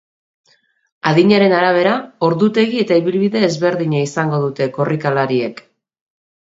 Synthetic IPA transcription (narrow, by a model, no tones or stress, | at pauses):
aðiɲaɾe̞naɾaβ̞e̞ɾao̞ɾðut̪e̞ɣie̞t̪aiβilβiðe̞ːzβe̞ɾðiɲaisaŋɡo̞ðut̪e̞ko̞rikalaɾie̞k